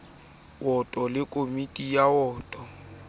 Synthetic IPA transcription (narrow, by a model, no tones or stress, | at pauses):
wɔtʼɔlɪkʼomitʼijaɔːtʼɔ